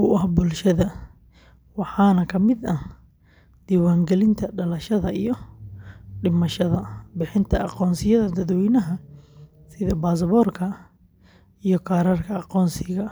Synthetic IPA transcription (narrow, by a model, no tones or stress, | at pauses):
ʊɐhbʊlʃɐðɐ | wɑħɑːnɐkʰɐmɪd̪ɐ | d̪̥iːwaːŋɡɛlɪnt̪ʰɐɖɐlɐʃɐðɐijɔ | ɖɪmɐʃɐðɐbɪħɪnt̪ʰɐɑqɔːnsɪjɐðɐd̪ɐd̪wɛːnɐɦɐ | sɪðɐbaːs̬ɐβɔrkʰɐ | ijɔkʰaːɾarkʰɐɑqɔːnsɪɣɐ